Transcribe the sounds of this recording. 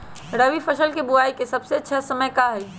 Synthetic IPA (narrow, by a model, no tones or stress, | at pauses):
ɾəʋipʰəʃəlkebʊaːikesɐbseɐtːʃʰasəməjkaɦɛi